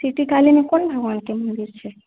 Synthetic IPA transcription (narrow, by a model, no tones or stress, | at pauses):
siʈikalinekonbʱəɡʋankemənd̪iɾt͡ʃʰe